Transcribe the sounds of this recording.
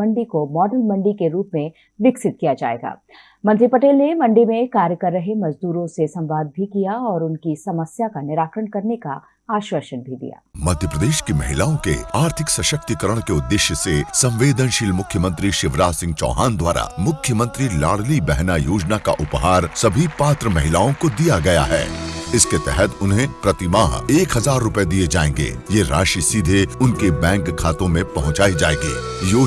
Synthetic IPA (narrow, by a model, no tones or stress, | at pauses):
ɐɳɖikomɔːɖəlmɐ̃ɳɖikeɾuːpmẽ | ʋɪksɪt̪̚kijad͡ʒa̰ːḛːɡa̰ː | mɐ̃nt̪ɾipɐʈeːlnemɐ̃ɳɖimẽkaːɾjəkɐɾːɐɦemɐzd̪uːɾõsesɐ̃mʋaːd̪̚bʱikijaɔːɾʊnkisɐməsjakanɪɾaːkɾəɽ̃kɐɾneka | aːʃʋəʃənbʱid̪ḭja̰ːmɐd̪ʱjəpɾəd̪eːʃkemɐɦɪlaːõkḛaːɾt̪ʰɪksɐʃək̚t̪ikəɾəɽ̃keʊd̪ːɪʃjəsesɐ̃mʋeːd̪ənʃɪlmʊkʰjəmə̃nt̪ɾiʃɪʋɾaːsɪ̃ŋɡ̚t͡ʃɔ̰ːɦaːnd̪waːɾa̰mʊkʰjəmə̃nt̪ɾilaːɽlibɛɦnajoːd͡ʒnaka̰ʔʊpɦaːɾsɐbʱipaːt̪ɾəmɐɦɪlaːõkod̪ijaɡɐja̰ɦɛ̰ːɪsket̪ɛɦɛt̪ʊnɦẽpɾɐt̪ɪmaːɦeːkɦɐzaːɾːʊped̪ied͡ʒaːḛ̃ːŋɡḛːjeɾa̰ːʃisid̪ʱeʊnkebɛ̃ːŋkkʰːaːt̪õmẽpɐɦʊ̃t͡ʃaːid͡ʒaːẽːɡḭː | joː